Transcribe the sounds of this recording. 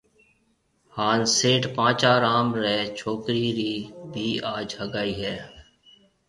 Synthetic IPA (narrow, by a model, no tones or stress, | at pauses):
haːnseːʈpãːt͡ʃaːɾaːmɾɛːt͡ʃʰoːkɾiːɾiːbʱiːaːd͡ʒhəɡaːiːɦɛː